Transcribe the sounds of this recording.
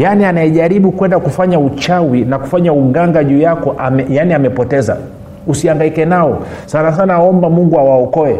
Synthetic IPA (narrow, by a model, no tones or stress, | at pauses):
janianajɛʄaɾiɓukwɛndakufaɲaut͡ʃawinaku̥faɲauɡaŋɡaʄuːjakɔʔamjaniamɛpɔtɛza̰ | usiaŋɡaikɛnaɔsanas̬anaɔmbamuŋɡuawaɔkɔɛ